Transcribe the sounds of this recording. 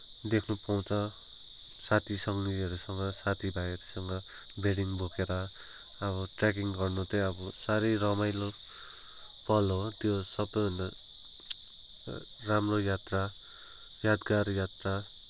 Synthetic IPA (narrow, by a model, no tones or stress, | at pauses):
d̪ekʰnupaw̃t͡sʰʌ | sat̪ʰisʌŋniʌɾusʌŋɡʌsat̪ʰibʱajʌɾusʌŋʌ | beɽiŋbʱokeɾʌ | ʌβʌʈrak̬iŋɡʌrnut̪eʌbʌsaɾʌjɾʌmajlo | pʌlot̪josʌbʌna | ramrojat̪ra | jad̪ɡaɾjat̪ra